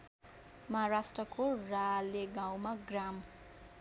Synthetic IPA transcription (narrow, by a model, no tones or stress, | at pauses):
mʌɦaɾasʈrʌkoraleɡãw̃maɡram